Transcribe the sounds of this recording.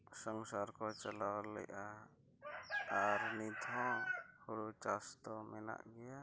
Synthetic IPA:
sɔŋsaɾkɔt͡ʃalawlɛ̰jʔa | ɾnid̪ʱɔ̃huɽut͡ʃast̪ɔmɛna̰ʔɡɛja

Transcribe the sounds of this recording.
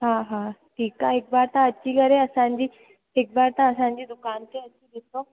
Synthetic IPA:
ɦãɦãʈʰiːkaek̚baɾt̪ãət͡ɕiːkəɾeəsãɲd͡ʑiː | ek̚baɾt̪ãəsãɲd͡ʑiːd̪ukant̪eəɕiːɡ̪ʱet̪o

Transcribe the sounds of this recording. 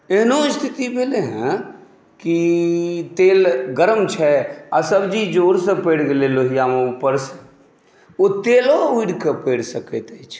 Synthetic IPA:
eɦnoɪst̪ʰit̪ibeleɦɛ̃ | ki | t̪eːlɡəɾəmt͡ʃʰɛasəbd͡ʒid͡ʒoːɾsə̃peɽɡeleloːɦijamẽupəɾsə̥ | ot̪eːlouiɖkepeːɽsəkɛt̪ɛt͡ʃʰ

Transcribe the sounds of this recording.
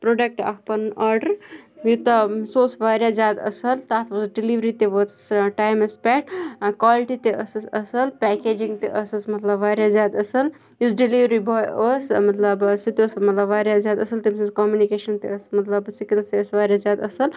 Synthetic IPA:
pɾoɖek̚ʈɐ̰ɦpɐnaːɾɖəɾjut̪ɐsoːsʋaːɾjazjaːd̪ɐ̰səlt̪aːt̪ʰʋɐsɖiliʋɾit̪eʋət͡ssʈaːjmɐspɛːʈkʋaːliʈit̪eəssəsəlpɛːkeːd͡ʒĩŋɡ̚t̪eʔəsəsmɐt̪lɐbʋaːɾjazjaːd̪ɐsəl | jusɖiliʋɾibʱɔjəsmɐt̪lɐbsit̪iosɐlmɐt̪lɐbʋaːɾjazjaːd̪ɐsɐlt̪imsɐskoːmjunikeʃɐnt̪eəsmɐt̪ləbsikilsesʋaːɾjazjaːd̪ɐsəl

